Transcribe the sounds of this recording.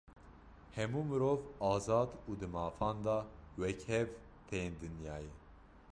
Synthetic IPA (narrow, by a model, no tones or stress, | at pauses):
hɛmuːmɨɾoːvɑːzɑːd̪uːd̪ɨmɑːfɑːnd̪ɑwɛkhɛv | t̪ʰejeːnd̪ɨnjɑːjɛ